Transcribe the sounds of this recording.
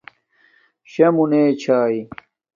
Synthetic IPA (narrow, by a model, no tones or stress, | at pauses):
ɕɐmuneːt͡ɕʰaːi